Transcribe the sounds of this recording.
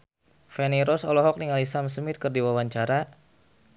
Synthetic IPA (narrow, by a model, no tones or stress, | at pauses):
fɛniɾɔsɔlɔɦɔk̚niŋalisamsəmɪt̪̚kərdiwawaɲt͡ʃaɾa